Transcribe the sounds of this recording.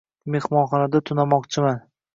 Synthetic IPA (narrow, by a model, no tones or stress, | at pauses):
me̞hmɒnχɒnad̪at̪ʰʊnamɒqt͡ʃʰɪman